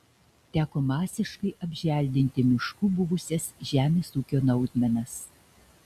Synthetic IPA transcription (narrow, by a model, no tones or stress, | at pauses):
t̪ʲæːkoːmɑːsʲɪʃkɐɪʔɐbʲʒʲʋʲæˑlʲd̪ʲɪnʲt̪ʲɪmʲɪʃkuːbʊʋʊsʲɛsʒʲæːmʲeːsuːkʲoːnɐʊd̪ʲmʲɛnɐs